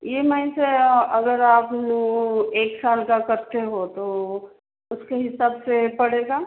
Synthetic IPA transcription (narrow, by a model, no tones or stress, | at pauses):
jemaĩseɐɡəɾaːpnueːksaːlkakəɾt̪eɦot̪o | ʊskeɦɪsaːbsepɐɽeːɡaː